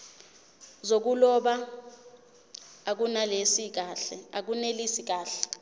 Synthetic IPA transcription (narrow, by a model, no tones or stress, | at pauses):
zok̬ulɔɓa | ak̬unalesik̬aːɬɛak̬unelisik̬aːɬɛ